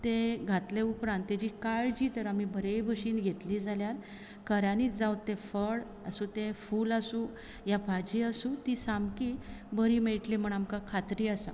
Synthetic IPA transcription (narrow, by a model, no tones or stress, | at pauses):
t̪eɡʱat̪leupɾãnt̪ːad͡ʑikaɭd͡ʑiːt̪əɾam̤ibʱəɾejbʱəɕiːnɡʱet̪liːd͡zʱaljaɾ | kəɾjaniːt͡sd͡zawt̪ːefəɭ | əsut̪efuːlasũ | jabʱad͡ʑiːasũt̪isamkibəɾimeɭʈlim̤əɳamkãkʰat̪ɾiːasa